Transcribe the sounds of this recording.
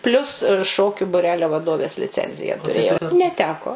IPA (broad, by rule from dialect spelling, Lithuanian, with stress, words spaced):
ˈpʲlʲʊs ˈʃoːkʲʊ bʊˈrʲæːlʲoː ʋɐˈdoːʋʲeːs lʲɪˈt͡sʲɛnʲzʲɪjæː tʊˈrʲeːjɛʊ nʲɛˈtʲæːkoː